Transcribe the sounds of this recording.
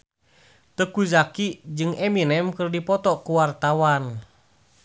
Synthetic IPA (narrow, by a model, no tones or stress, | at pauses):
t̪əkuzakid͡ʒɨŋɛminɛmkɨrdipɔt̪ɔkuwart̪awan